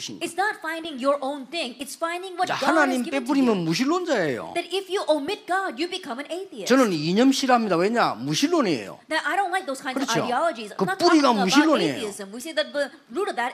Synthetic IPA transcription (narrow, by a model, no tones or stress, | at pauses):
ɕʰiɪtsnɔtfãɪ̃ndɪ̃ŋjəɹʔõʊ̃nθɪ̃ŋɪtsfãɪ̃ndɪ̃ŋwɔthɡanaɲimpep̬uɾimjənmuɕ̬ilːond͡ʑaḛjo̰d̪ɛɾɪfjuʔomɪt̚ɡ̥ɑdjubɪkʰʌ̃mæ̃neɪθiɨt͡ɕʌnɯniɲʌmɕʰiɾɦamɲid̪aweɲamuɕʰilːoneḛjo̰d̪ɨʔaɪɾõʊ̃nlaɪk̚ðoːskʰãkɯɾʌao̰iɔlˠəd͡ʒizkɯpuɾiɡamuɕilːonḛiɪzə̃mwiseðɨt̚ðə | ɹuɾʌvðæɾ